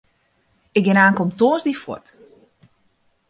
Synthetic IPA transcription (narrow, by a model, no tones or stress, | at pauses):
ɪk̚ɡɪnaːŋkɔmtoəsdifwɔ̰t